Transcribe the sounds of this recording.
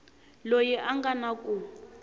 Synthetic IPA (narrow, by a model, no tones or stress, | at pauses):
lojɛʔaŋɡanakʼu